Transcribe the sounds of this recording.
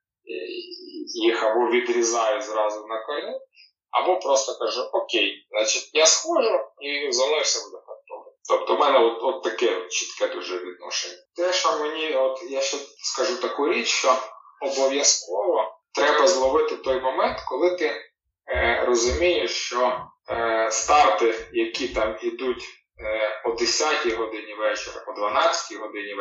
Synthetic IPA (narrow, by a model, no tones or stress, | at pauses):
ḭ | jixɐbɔʋʲid̪ɾʲizɑjɛzɾɑzʊnɐkɐlʲi | ɐ̰bɔpɾɔst̪ɔkɐʒuʔɔkʲejznɑt͡ʃitʲjasxɔʒʊizɐnɔʃsʲɐbud̪ɛkɐt̪ɔlɪt̪ɔpt̪ɔmɛnɛɔt̪ɔt̪ːɐkɛt͡ʃi̥t̪kɛd̪uʒɛʋʲid̪̚nɔʃenʲːɐt̪ɛʃɐmenʲiɔt̪jaʃɛskɐʒut̪ɐkuɾʲit͡ʃʃt͡ʃɔɔbɔʋʲjɐskɔʋɔt̪ɾɛbɐzlˠɔʋɪt̪ɪt̪ɔjmɔmɛnt̪kɔlˠɪt̪ɪ | rɔzʊmʲijeʃt͡ʃɔ | st̪ɑrt̪ɪjɐkʲit̪ɑmid̪utʲ | pɔd̪esʲatʲijɦɔd̪ɪnʲiʋɛt͡ʃɛɾɐ̰ɔd̪ʋɐnɑt͡sʲːɐ̥tʲiɦɔd̪ɪnʲi